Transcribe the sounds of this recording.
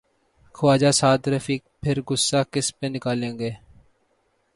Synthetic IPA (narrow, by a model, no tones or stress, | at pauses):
kʰʊʋaːd͡ʒaːsaːd̪ɾəfiːk̚pʰɪɾɡʊsːaːkɪspeːnɪkaːlẽːŋɡeː